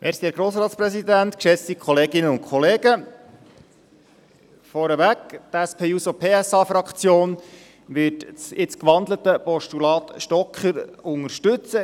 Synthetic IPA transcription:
mʔesiæɡ̥ɾoːsɾɑːt̪sprɛsid̪ænt̪kʃɛstikχɔleːɡɪnəʊntkʰχɔleːɡə | fɔɾəʋæktæspʰeːusopʰeːɛsɑːfɾɑkχt͡sjoːn | ʋɪtt͡sɪt͡skʋɑnd̪lət̪əpɔʃtulɑːt̪ʃtɔkχəɾʊŋəʃtʉt͡sə

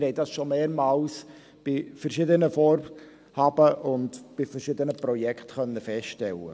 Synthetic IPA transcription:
hɛɪdɑsʃomeːɾmɑːls | b̥ɪfəɾʃɪd̪ənəfɔːɾ | hɑbəʔʊndb̥ɪfɛɾʃɪd̪ənəpɾɔjɛkχtχœnːəfɛsttɛlːə̰

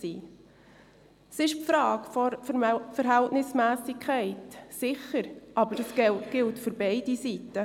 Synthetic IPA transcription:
siː | sɪʃpfɾɑːɡ̥fɔɾfəɾɦæltnɪsmæːsɪkʰːɛɪtsɪχəɾʔɑbəɾdəsɡ̥ɛtɡ̥ɪltfʏɾbɛɪdisitə

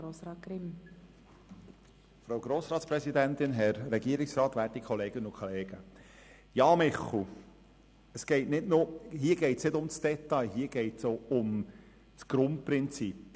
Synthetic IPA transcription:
oːsɾɑːkɾɪm | fɾowɡɾoːsɾɑːt̪spɾɛsid̪ænt̪ɪnɦɛɾːɛɡiːɾɪksɾɑːt̪ʋæːtikʰχɔleːɡ̥ənəʊkʰoleːɡ̥ə | jɑːmɪχl̩ | əsɡ̥ɛɪtnɪdnʊɦiːəɡ̥ɛɪtsnɪdʊmsd̥ɛt̪ɑjɦiːəɡ̥ɛɪtsoʊm | sɡ̥ɾʊnt̚pɾɪnt͡sip

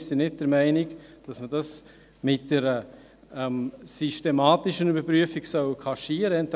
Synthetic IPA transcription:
sinɪt̚d̥ɛɾmæɪnɪkd̥ɑsməd̥ɑs | mɪt̚d̥ɛɾə | ɛmsiʃtemaːtɪʃənybəɾpɾyəfiɡsœwkʰɑʃiːəɾəɛnt

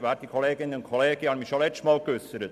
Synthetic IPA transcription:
ʋaːɾ̚d̥̪ikʰoleːɡɪnːənʊnkʰoleːɡ̥ɪɑnmiʃolɛstmɑːlkʏsəɾət

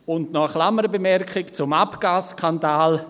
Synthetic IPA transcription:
ʊndnɔəχlaməɾbəmɛrkχɪkt͡sʊmapɡ̥aːskʰandaːl

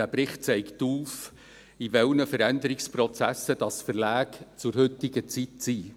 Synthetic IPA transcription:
æpɾɪχt̚t͡sɛɪktuːf | ivɛlnəfəɾænd̪əɾɪksprɔt͡sæsːəd̥ɑsfərlæːkt͡sʊɾhɵt̪ɪɡət͡sitt͡siː

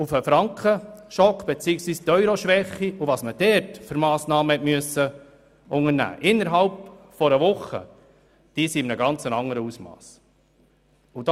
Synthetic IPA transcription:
ufəfɾɑŋkχəʃɔkːb̥et͡siːəksʋiːst̪œʏɾoʃʋɛχːiuʋɑsməd̥ɛɾtfʏɾmɑːsnɑːməhɛtmyəsə | ʊŋəɾnæ̰ːʔɪnːəɾɦɑlp | fɔɾəʋʊχːə̰ | d̥iːsiɪmnəɡɑnt͡sənɑŋːəɾəusmɑ̰ːs | ud̥

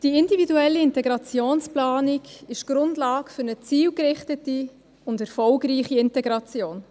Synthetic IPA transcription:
d̥iɪndividuɛlːiɪntɛɡɾɑt͡sjoːnsplaːniɡɪʃɡ̥ɾʊndlɑːɡfʏɾnət͡siːlkɾɪχtəti | ʊndɛɾfɔlɡɾiːχiɪntɛɡɾɑt͡sjoːn

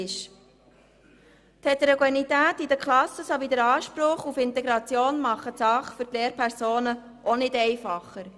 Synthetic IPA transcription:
ɪʃ | t̪ʰɛt̪əɾɔɡwɛnit̪æːtid̪əkʰlɑsːəsoʋid̪əɾɑːʃpɾʊχufɪnt̪ɛɡɾɑt͡sjoːnmɑχətsɑχfʏɾt̪leːɾpʰæɾsoːnə | ʔɔnɪdɛɪfɑχːəɾ

